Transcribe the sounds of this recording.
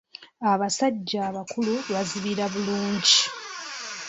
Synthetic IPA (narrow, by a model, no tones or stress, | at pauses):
aβasaɟːaːβakuluβaziβiɾaβuluːɲɟi